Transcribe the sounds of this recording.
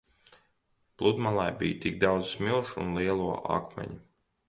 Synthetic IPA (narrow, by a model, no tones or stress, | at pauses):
plˠud̪malˠajbijt̪iɡ̚d̪awd̪zsmilˠʃunlˠiɛlˠuɔʔa̰kmɛ̰ɲu